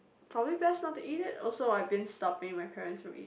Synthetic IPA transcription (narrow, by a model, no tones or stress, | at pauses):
pʰɹ̥ɔbəblibɛsnɔtːuiɾɪtɔlˠsoʊaɪvbɪ̃nstɔp̚ɪ̃ŋmaɪpʰɛɹə̃ntsɹə̃mḭ